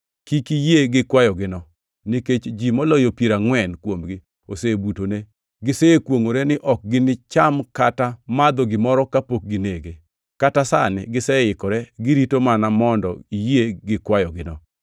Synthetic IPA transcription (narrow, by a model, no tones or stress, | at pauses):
kikijeɡɪkwajɔɡɪnɔ | niket͡ʃd͡ʒimɔlɔjopjeɾaŋwɛnkwomɡɪ | osebutone | ɡɪseekwoŋoɾenɪʔɔk̚ɡɪnɪt͡ʃamkatamad̪ɔɡɪmɔɾɔkapok̚ɡɪneɡe | katasanɪ̰ɡɪsɛɪkɔɾɛɡɪɾitomanamɔndɔ̰ijeɡɪkwajɔɡɪnɔ